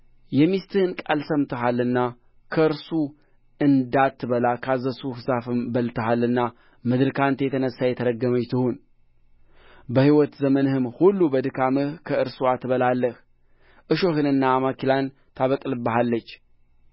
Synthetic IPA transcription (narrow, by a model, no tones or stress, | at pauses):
jɛmist̪ʰɨhɨnkʼalsəmt̪ʰəɦalːɨnːa | kʰəɨɾsu | ɨnd̪at̪ʰːɨβəlakʰazəsuhɨsafɨmbəlt̪ʰəhalːɨnːa | mɨd̪ɾɨkʰant̪jɛt̪ʰənəsːajɛt̪ʰəɾəɡəməjt̪ʰɨhun | bəhiwɔt̪zəmənɨhɨmhulːubəd̪ɨkʰamɨhkʰəɨɾsuat̪ːɨβəlalːəh | ʔɨʃo̞hɨnɨnːaːmakilan | t̪ʰaβəkʼlɨbːəɦalːət͡ʃː